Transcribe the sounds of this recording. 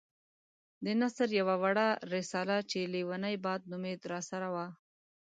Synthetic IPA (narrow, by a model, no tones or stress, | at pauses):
d̪ənasəɾjawawaɽaɾɪsɑlat͡ʃelewanajbɑd̪̚nʊmet̪ɾɑsaɾawa